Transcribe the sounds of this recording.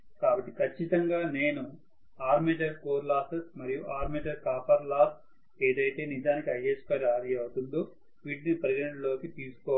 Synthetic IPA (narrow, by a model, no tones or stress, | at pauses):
kaːbɐʈːi̥kʰɐt͡ʃːit̪ɐŋɡaːne̞ːnu | aːɾmɛːd͡ʒɐɾkoːɾlaːt̪ɐmɐɾijuʔaːɾmɛːd͡ʒɐɾkaːpɐɾlaːt | eːd̪ɐjt̪e̞ːnid͡ʒaːnikiɐjespaːɾaːɾijɐwut̪und̪oː | ʋiːɖnipɐɾɐɡɐnɐɳɖlo̞ːkit̪iːsu̥kɔː